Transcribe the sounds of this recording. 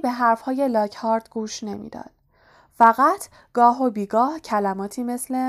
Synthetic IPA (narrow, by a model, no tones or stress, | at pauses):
be̞ɦæɾfhɒːje̞lɒːcʰhɒːɾd̪ɡuːʃne̞mḭːd̪ɒ̰ːd̪̥ | fæɣæt̪ʰ | ɡ̥ɒːɦobiːɡɒːhcʰælæmɒːt̪ʰiːme̞sle̞